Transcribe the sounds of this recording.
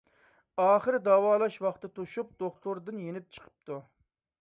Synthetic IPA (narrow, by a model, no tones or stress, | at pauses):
ɑːχəɾd̪ɑːwɑːlˠɑʃwɑχt̪ɨt̪ʰuʃup̚d̪̥oχt̪ʰʊɾd̪ɨnjenɪp̚t͡ʃʰə̥qʰə̥p̚t̪ʰu